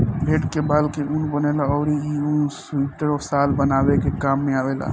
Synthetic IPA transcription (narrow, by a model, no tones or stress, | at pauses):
bʱeːʈkebaːlkeʔunbənelaɔːɾiiusiʈəɾɔːsaːlbənaːwekekaːmːẽaːʋela̰ː